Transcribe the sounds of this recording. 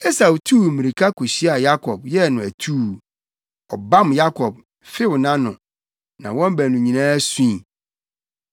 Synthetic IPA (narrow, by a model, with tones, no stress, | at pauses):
e˦sa˨wtʰuː˦˨mĩ˨ɾi˨kʰa˦kʰo˨ɕi˦a˨ja˦kʰɔ˨bjɛ˦nʊ̃˨æ˨tʰuː˦˨ | ɔ˨bã˦mja˦kʰɔ˨b̚ | fɪ˦wʊ˨nã˦nʊ̰̃˨ | nã˨wɔ̃˦m˦bæ˨nũ˨ɲĩ˨nãː˦æ˦sũ˦i˨